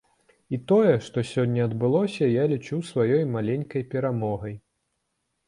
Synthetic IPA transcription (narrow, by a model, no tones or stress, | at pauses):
it̪ɔjɛʂt̪ɔsʲɔnʲːɐɐd̪bɨlˠɔsʲɐjalʲit͡ʂuwsvajɔjmalʲenʲkɐjpʲɛɾamɔɣɐj